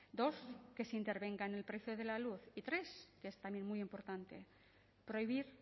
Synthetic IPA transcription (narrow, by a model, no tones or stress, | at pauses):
d̪o̞ske̞sint̪e̞ɾβe̞ŋɡaenelpɾeθjoð̞e̞laluθit̪ɾe̞skeest̪amje̞nmujempo̞ɾt̪ant̪e̞̰ | pɾoiβ̞iɾ